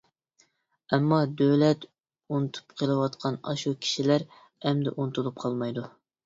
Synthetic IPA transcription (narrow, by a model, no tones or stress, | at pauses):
ɛmːɑd̪øwlɛt̪ | unɨt̪ʰu̥pqʰəlˠɨwɑt̪qʰɑnɑ̰ʃukʲʰi̥ʃilæɾ | ɛmd̪ɛʔunɨt̪ulˠup̚qʰɑlˠmɑjd̪u